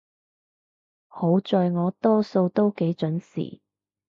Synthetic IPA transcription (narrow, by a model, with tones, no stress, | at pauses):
ho˨˥wt͡sɔː˧jŋɔː˨˧t̪ɔː˥so˧wt̪o˥wke˨˥jt͡ʃɵ˨˥nsḭː˨˩